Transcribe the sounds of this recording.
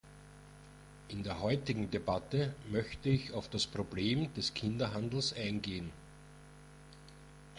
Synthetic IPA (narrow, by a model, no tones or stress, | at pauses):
ʔɪndeːɐɦɔʏtɪɡŋ̩debatəmœçtəɪçɑʊfd̥aspʁ̥obleːmd̥ɛskʰɪndɐɦandl̩sʔæɪnɡeːən